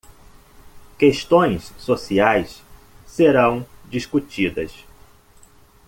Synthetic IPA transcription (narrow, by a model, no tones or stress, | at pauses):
keʃt̪õj̃ssosiajs | seɾɐ̃w̃d͡ʒiʃkut͡ʃid̪ɐs